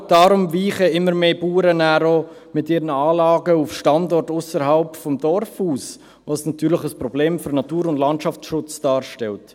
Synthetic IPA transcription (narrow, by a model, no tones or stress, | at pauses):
d̥ɑːɾʊmviːχəɪmːəɾmeːbuːɾənæːɾo | mɪtɪɾənəaːlɑːɡəufʃtɑndɔrtʊsəɾɦalpfɔmdɔɾfuːs | vosnɑtʰyːɾləχəspɾɔbleːmfʏɾnɑtuːɾʊndlɑntʃɑft͡sʃʊt͡sd̥ɑːɾʃtɛlt